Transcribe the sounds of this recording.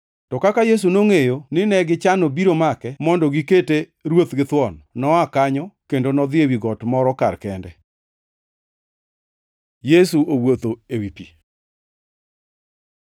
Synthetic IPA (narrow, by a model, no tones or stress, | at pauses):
tɔkakajes̬unoŋejonɪnɛɡɪt͡ʃanobiɾomakɛmɔndɔɡiketeɾwot̪ɡɪt̪wɔnnɔakaɲɔkendonɔd̪ɪewiɡɔtmɔɾɔkaɾkɛndɛ | jesuowot̪oewipi